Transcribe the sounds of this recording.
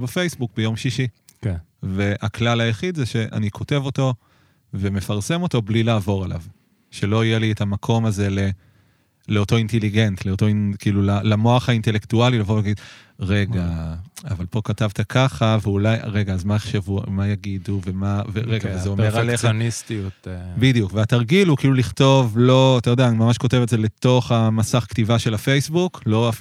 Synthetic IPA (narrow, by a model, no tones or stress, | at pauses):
befejsbuk̚bejo̞mʃiʃi | ve̞aklalajaχid̪zeʃe̞ʔa̰nikʰo̞te̞vo̞to̞ | ve̞me̞faʁse̞mo̞to̞blilaːvo̞ʁela̰v | ʃe̞lo̞ijelietamakʰo̞maze̞le̞ | leoto̞inteliɡe̞ntle̞oto̞inkiːlulalamo̞aχainte̞le̞ktualilavovaɡid̪ | ʁe̞ɡaavalpo̞katavt̪akʰaχaveulajʁe̞ɡaːzmajeχʃevumajaɡiduvemaveʁeɡavezzeomeʁlet͡sonist̪iut̪bidjukveataʁɡilukiːluliχto̞vlo̞at̪ajo̞deanimamaʃko̞te̞vetdzele̞to̞χamasaχktivaʃe̞lafe̞jsbuklo̞a